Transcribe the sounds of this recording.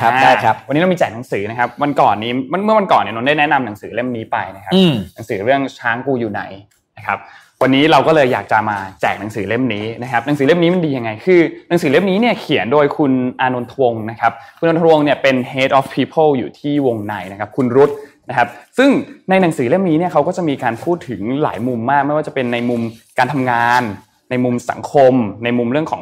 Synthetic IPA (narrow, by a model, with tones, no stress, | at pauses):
kʰa˦aː˧a˥˩˦wa˧nːi˦˥ɾa˧mi˧t͡ɕɛː˨˩na˨˩˦ŋsɯː˩˦na˦˥kʰa˦˥p̚wa˧nkɔ̰ː˨˩nːi˦˥ma˧nmɯ˥˩ɐwa˧nkɔː˨˩nːi˥˩no˧˦nda˥˩jnɛ˦˥na˧mna˨˩˦ŋsɯː˩˦le˥˩mniː˦˥pa˧jna˦˥kʰa˦pːna˩˦ŋsɯː˩˦ɾɯ˥˩əŋt͡ɕʰaː˦˥ŋkuː˧juː˨˩na̰˨˩j | na˦˥kʰa˦˥p̚ | wa˧nːiː˦˥ɾa˧wkɔː˥˩lɤː˧jːa̰ː˨˩k̚t͡ɕa˨maː˧t͡ɕɛ̰ː˨˩k̚na˩˦ŋsɯː˩˦le˥˩mniː˦˥na˦˥kʰa˦˥p̚na˩˦sɯː˩˦le˥˩mniː˦˥ma˧ndiː˧ja˧ŋa˧jkʰɯː˧na˨˦ŋsɯː˩˦le˥˩mniː˦˥ni˥˩ɐkʰi˨˩˦əndoː˧jkʰu˧nʔaː˧no˧nt̪ʰa˧wo˧ŋna˦˥kʰa˦˥p̚kʰu˧nʔnt̪ʰwo˧ŋni˥˩pe˧nheː˦˥t̪̚ʔɔː˦˥fpʰːiː˧˥pʰɤ˥˩ljṵː˨˩t̪ʰiː˥˩wo˧ŋna˧jna˦kʰa˦˥p̚kʰu˧nɾu˦˥t̪̚na˦˥kʰa˦˥p̚sɯ˥˩ŋna˧jna˨˩˦ŋsɯː˩˦le˥˩mniː˦˥ni˥˩kʰa˦˥wkɔː˥˩t͡ɕa˨˩miː˧kaː˧npʰuː˥˩t̪ʰːɯ˩˦ŋla̰ː˩˦jmu˧mːaː˥˩k̚ma˥˩jwaː˥˩t͡ɕpe˧nːa˧jmu˧mkaː˧nt̪ʰa˧mŋaː˧nː | a˧jmu˧msa̰˨˩˦ŋkʰo˧mna˧jmu˧mɾɯ˥˩əŋkʰɔː˩˦ŋ